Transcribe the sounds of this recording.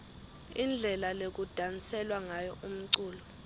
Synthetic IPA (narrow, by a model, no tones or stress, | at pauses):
ind͡ɮʱɛlalek̬ud̥ʱant͡sɛlwaŋajɔʔum̩ǀuːlɔ